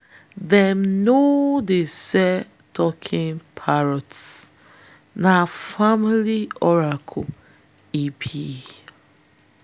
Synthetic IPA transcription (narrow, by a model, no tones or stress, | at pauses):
ðɛmnodesɛ | tʰɔkʰĩnpʰaɹɔts | nafamiliɔɹakʰo | ipʰi